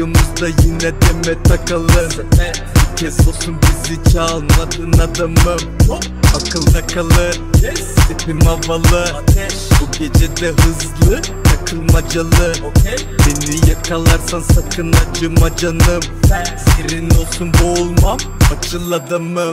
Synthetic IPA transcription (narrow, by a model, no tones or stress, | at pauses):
omuzd̪ajinːɛd̪ɛmɛt̪ʰakalˠɯn | cʰezolˠsunbizit͡ʃʰalˠmad̪ɯnad̪ɯmɯm | akʰɯlˠd̪akʰalˠɯ | st̪epʰimavalˠɯ | buɟed͡ʒed̪ɛɦɯzlˠɯjakʰɯlˠmad͡ʒalˠɯ | benijakʰalˠaɾsansakʰɯnd̪ad͡ʒɯmad͡ʒanɯm | siɾinolˠsunbolˠmamat͡ʃʰɯlˠːad̪ɯmɯ